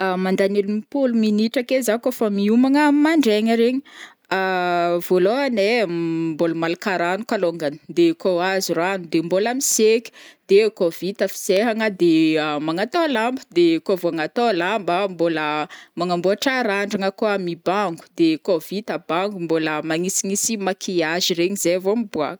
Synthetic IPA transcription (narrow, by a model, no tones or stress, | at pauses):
amand̪anelumipuluminiʈ͡ʂakezakofamiumaŋəmaɳɖ͡ʐeɲəɾeɲi | avoloɦanemboləmalakaɾanukaloŋɡanə̥d̪ekoaziranud̪embolamisekʲi̥d̪̥ekovit̪əfi̥zeɦaŋəd̪eamaŋat̪oalambəd̪ekovoaŋat̪oalambəmboləmaŋambuaʈ͡ʂaɾaɳɖ͡ʐaŋəkoamibaŋɡu̥d̪ekovit̪abaŋɡumboləmaŋisiŋisimakʰiaʒiɾeɲizevomibua̰